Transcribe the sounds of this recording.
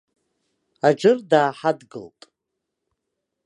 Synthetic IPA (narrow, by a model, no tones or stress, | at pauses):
ad͡ʒɨrdaːħadɡɨ̰ltʼ